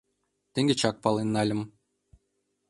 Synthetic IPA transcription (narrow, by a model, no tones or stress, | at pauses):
t̪ĕŋɡʲĕt͡ɕɑk̚pɑlˠenːɑlʲɤ̆m